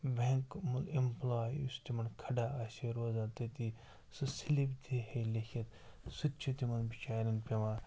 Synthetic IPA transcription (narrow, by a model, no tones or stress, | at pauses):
beŋkmulemplaːjṵst̪imɐnkʰɐɖaːɐseɾoːzaːt̪et̪i | sɨsilipd̪ʰihelekʰʲɐt̪sut͡ʃʰut̪imɐnbit͡ʃaːɾinpʲeʋãː